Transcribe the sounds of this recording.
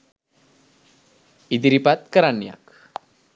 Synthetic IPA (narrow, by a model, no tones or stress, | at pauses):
id̪iɾipat̪̚kəɾanja̰k